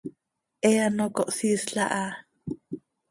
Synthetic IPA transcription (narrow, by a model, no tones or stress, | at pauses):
ʔɛanokoʔsisɬa̰ʔa